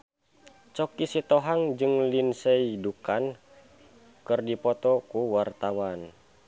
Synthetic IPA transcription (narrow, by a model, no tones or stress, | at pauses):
t͡ʃɔkisit̪ɔɦaŋd͡ʒɨŋlinsɛidukan | kɨrdipɔt̪ɔkuwart̪awan